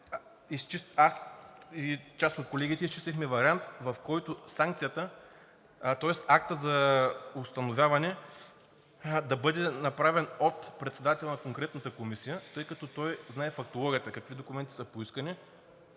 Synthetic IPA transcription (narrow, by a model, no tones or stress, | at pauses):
ist͡ʃit̪asit͡ʃast̪ot̪̚kolɛɡ̟it̪ɛist͡ʃist̪ʲixmɛvɐɾʲiant̪vɐfkɔjt̪ʊsaŋkt̪sijət̪ə | t̪ɔɛsak̚t̪əzɐʊst̪ɐnovʲjavɐnɛ | d̪ɐbɤd̪ɛnɐpɾavɛnot̪pɾɛt̪sɛd̪at̪ɛlˠnɐkoŋkɾɛt̪nət̪əkomisijət̪ɤjkɐt̪ɔt̪ɔjznaɛfɐk̚t̪olˠɔɡʲiət̪əkɐkvid̪okʊmɛnt̪i̥sɐpoiskəni